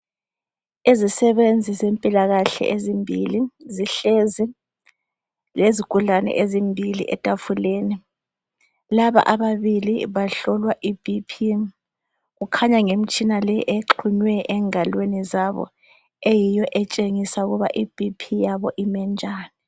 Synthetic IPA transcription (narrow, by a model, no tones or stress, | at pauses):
izisɛβend͡zʱizempʼilaɣaɬɛ̰ʔezimbʱḭliziɬezi | leziɡ̥ʱuɮanɛ̰ʔezimbʱilḭʔɛ̰tʼafuleːni | laβa̰ʔaβaβilḭβaɬɔlwaʔib̥ipʰi | ɣukʰaɲaŋem̩t͡ʃʼinalɛʔeǃʰuɲwɛʔɛŋalwenizaβɔ̰ | ejijɔʔɛt͡ʃʼeŋisauɣuβaʔib̥ʱipʰijaβɔʔimɛnd͡ʒʱaːni